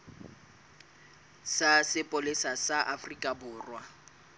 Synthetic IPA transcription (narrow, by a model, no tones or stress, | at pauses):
sasɪpʼolɪsasaʔafrikʼabʊːrwa